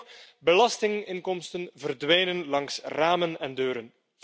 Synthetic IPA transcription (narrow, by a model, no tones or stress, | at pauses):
bəlɑstɪŋɪŋkɔmstənvərdʋɛjnənlɑŋsraːmənɛndøːɾən